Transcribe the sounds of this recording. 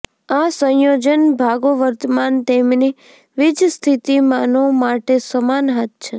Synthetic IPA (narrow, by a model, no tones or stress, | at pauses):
asə̃jod͡ʒənbʱaɡoʋəɾt̪əmant̪emni | ʋid͡ʒst̪ʰit̪imanomaʈesəmanɦat̪̚t͡ʃʰe